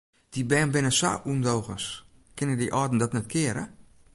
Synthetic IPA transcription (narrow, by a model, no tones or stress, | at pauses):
d̥ibɛːnbɪnəsa̰ʔundowɣə̰s | kɪnədiʔɔːdn̩dɔtnɛt̚kʰɪəɾə̰